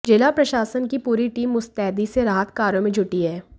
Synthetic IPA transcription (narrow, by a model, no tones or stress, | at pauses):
d͡ʒɪlapɾɐʃaːsənkipuːɾiʈiːmʊst̪ɛːd̪iseɾaːɦət̪kaːɾõmẽd͡ʒʱʊʈiɦɛː